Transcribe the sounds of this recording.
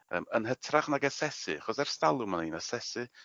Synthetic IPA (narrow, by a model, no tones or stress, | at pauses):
ə̰ːmənɦətʰraχnaɡɛsɛsɨ̰aχɔsɛr̥stalˠʊmaninasɛsɨ